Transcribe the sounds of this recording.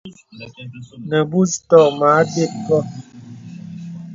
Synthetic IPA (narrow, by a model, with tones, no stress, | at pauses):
nə˨bu˦stɔ˦˨ma˨˦be˦˨p̚kɔ˦˨